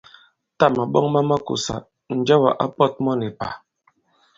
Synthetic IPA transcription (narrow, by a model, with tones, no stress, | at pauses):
ta˦˨ma˨ɓɔ˦ŋma˦ma˦kṵ˨sa̰˨ | n̩˨d͡ʒɔ˦ba˨ʔa˦pɔ˦˨t̚mɔ˦ne˨pa˨